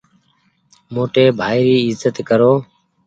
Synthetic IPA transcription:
moːʈeːbʱaːɪɾiːɪzət̪kəɾoː

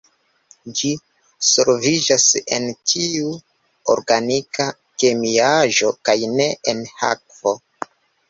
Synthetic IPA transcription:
d͡ʒi | seɾvid͡ʒase̞̰ntʰiu | o̰ɾɡanika | ke̞miaʒo̞kajne̞enha̰k̚vo

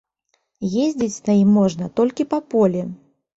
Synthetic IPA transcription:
jezʲd͡zʲit͡sʲnɐjimːɔʐnɐt̪ɔlʲkʲipɐpɔlʲɛ

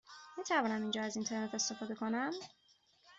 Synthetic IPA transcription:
mit̪ʰævɒːnæmind͡ʒɒːæzint̪ʰe̞ɾnet̪ʰe̞st̪e̞fɒːd̪e̞kʰonæm

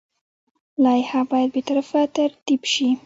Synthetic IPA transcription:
lɑjhabɑjad̪̚bet̪aɾafat̪aɾt̪ibʃi

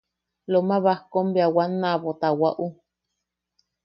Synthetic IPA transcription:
lomãβahkombeawanːãβot̪awaʔu

